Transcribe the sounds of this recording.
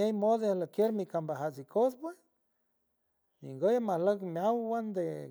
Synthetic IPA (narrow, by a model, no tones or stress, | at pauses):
ejmod̪lakjeɾmikambaɦasikʰospwes | ḭŋɡojamahləkmjawwand̪e